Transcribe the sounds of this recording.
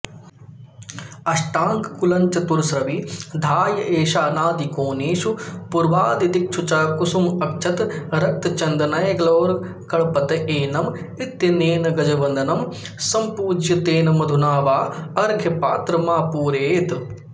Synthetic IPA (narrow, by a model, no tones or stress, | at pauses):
ɐʃʈaːŋkkulɐɲt͡ʃɐt̪uɾsɾɐʋid̪ʱaːjɐʔeːʃaːnaːd̪ikoːneːʃupuɾʋaːd̪id̪ik̚t͡ʃʰut͡ʃaːkusumɐkt͡ʃʰɐt̪ɾɐk̚t̪ɐt͡ʃɐnd̪ɐnɐjɡloːɾ | kɐɭpɐt̪ɐʔeːnɐm | ɪt̪jɐneːnɐɡɐd͡ʒɐʋɐnd̪ɐnɐm | sɐmpuːd͡ʒjɐt̪eːnɐmd̪ʱunaːʋaːɐɾɡʱjɐpa̰ːt̪ɾɐmaːpuːɾeːt̪